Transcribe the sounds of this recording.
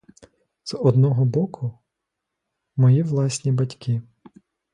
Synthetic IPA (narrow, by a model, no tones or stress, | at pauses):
z̥ɔd̪nɔɦɔbɔkʰʊ | mɔjiʋlˠɑsʲnʲibɐtʲkʰi